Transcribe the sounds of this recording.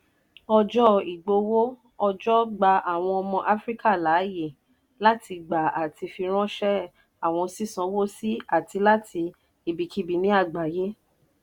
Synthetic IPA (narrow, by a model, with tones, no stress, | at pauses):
ɔ˧d͡ʒɔ˦i˨ɡ͡bo˧wo˦ | ɔ˧d͡ʒɔ˦ɡ͡ba˧ʔa˨w̃ɔ̃˧ɔ˧mɔ̃˧ʔa˦fɾi˦ka˦˨la˨˦je˦˨ | la˦tʰi˧ɡ͡ba˨a˨ti˧fi˧ɾ̃ã˦ʃɛ˦ | a˨w̃ɔ̃˧si˦sã˧˦wo˦si˦a˦˨ti˧la˦tʰi˧ | i˨bi˨ki˦bi˨nĩ˦a˦˨ɡ͡ba˨je˦